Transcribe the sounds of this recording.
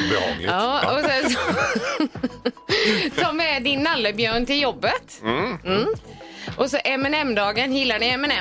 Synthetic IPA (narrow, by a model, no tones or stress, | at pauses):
ɑːɔsɛsɔ | sɔmɛd̪ɪnːalːəbjœːɳt̪ɪljɔbːət̪m̩ | ʔɔsɔʔɛmɛnɛmːd̪ɑːɡənjɪlːaɳɪɛmɛnɛ